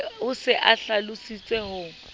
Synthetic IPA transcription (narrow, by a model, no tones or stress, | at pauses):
ʊsɪʔaɬalʊsit͡sʼɛhʊːŋ̩